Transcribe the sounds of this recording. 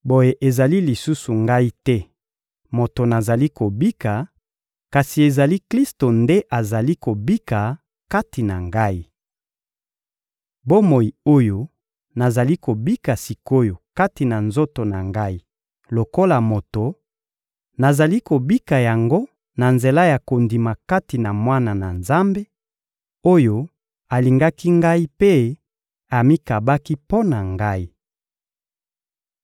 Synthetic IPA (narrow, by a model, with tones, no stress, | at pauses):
bo˨je˨ʔe˨za˨li˦li˨su˦su˨ŋɡa˦i˦tɛ˦ | mo˨to˨na˨za˨li˦ko˨bi˦ka˨ | ka˨si˨e˨za˨li˦kli˦sto˨nde˦ʔa˨za˨li˦ko˨bi˦ka˨ | ka˦ti˨na˨ŋɡa˦i˦˨ | bo˦mo˨i˨o˦jo˦ | na˨za˨li˦ko˨bi˦ka˨si˨ko˦jo˨ka˦ti˨na˨nzo˦to˨na˨ŋɡa˦i˦ | lo˨ko˦la˨mo˨to˨ | na˨za˨li˦ko˨bi˦ka˨ja˨ŋɡo˦ | na˨nze˨la˦ja˨ko˨ndi˨ma˨ka˦ti˨na˨mwa˦na˨na˨nza˦mbe˦ | o˦jo˦ | a˨li˨ŋɡa˦ki˦ŋɡa˦i˦pe˦ | a˨mi˦ka˨ba˦ki˦po˦na˨ŋɡa˦i˦